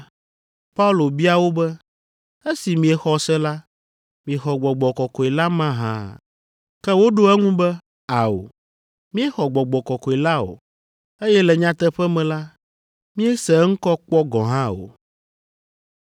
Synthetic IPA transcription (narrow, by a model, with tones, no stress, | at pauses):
pa˦u˦˨lo˨bi˦a˨wo˦bɛ˦ | e˦si˨mĩ˨ɛ˨xɔ˨sɛ˦la˦ | mĩ˨e˨xɔ˨ɡ͡bɔ˨ɡ͡bɔ˨kɔ˨kɔ˨e˨la˦mã˦ɦã̰˦ | kɛ˦wo˦ɖo˦ɛ˦ŋũ˦bɛ˦ | a˨o̰˨ | mĩ˦ɛ˦xɔ˨ɡ͡bɔ˨ɡ͡bɔ˨kɔ˨kɔ˨e˨la˦o̰˨ | e˦jɛ˦lɛ˨ɲã˨t̪ɛ˦ɸɛ˦mɛ̃˨la˦ | mĩ˦ɛ˦sɛ˨ŋ̩˦kɔ˦k͡pɔ˦ɡɔ̃˨ɦã˦o̰˨